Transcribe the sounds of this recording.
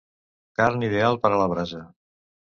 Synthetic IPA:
kaɾnið̞ealˠpəɾələβ̞ɾazə

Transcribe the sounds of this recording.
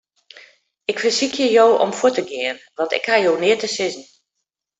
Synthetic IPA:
ɪkfərsikʰjəjoːʔɔ̰mfuətəɡɪən | ʋɑntɪ̰khajoːnɪətəsɪzn̩

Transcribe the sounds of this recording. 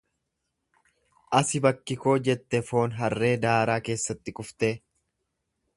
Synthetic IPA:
ʔɐsɪbɐkːɪko̞ːd͡ʒɛt̪ːɛfo̞ːnɦɐrːe̞ːd̪aːɾaːke̞ːsːɐt̪ːɪkʼʊft̪e̞ː

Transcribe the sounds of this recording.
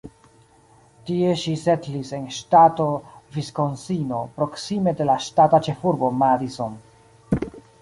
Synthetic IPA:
tie̞ʃisetlise̞nʃtato̞visko̞nsino̞pɾo̞ksime̞de̞laʃtatat͡ʃe̞fuɾbo̞maɾison

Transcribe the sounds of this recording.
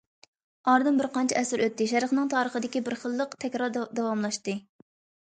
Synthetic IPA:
ɑɾd̪ɨnbɪɾqɑnt͡ʃʰɛɛsɨɾøt̪ːɪʃɛɾχnɨŋt̪ʰɑːɾəχəd̪ɪkʲibɪɾχəlˠːəqt̪ʰɛkʲɾɑɾd̪ɑwɑmlˠɑʃt̪ɨ

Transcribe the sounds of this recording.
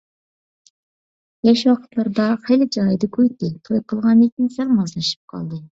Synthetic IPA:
jɛʃwɑqʰə̥t̪lˠɑɾd̪ɑχelɪd͡ʒɑjd̪ɨkʲʰøjt̪ɪt̪ʰojqʰəlˠʁɑnek̪ʲinsɛŋmɑznɨʃɨ̥p̚qʰɑ̰lˠd̪ɨ

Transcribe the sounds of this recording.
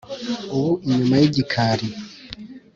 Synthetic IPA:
uβuʔiɲumajiɟikʰaɾi

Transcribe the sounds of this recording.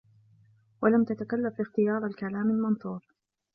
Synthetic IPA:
walamt̪at̪akalːafʔɪxt̪ɪjɑːɾˤalkalaːmalmɑnθˤuːɾ

